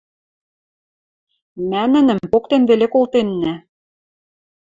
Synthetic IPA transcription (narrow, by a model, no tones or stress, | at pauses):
mænɘ̆nɘ̆mpokt̪enβelekolˠt̪enːæ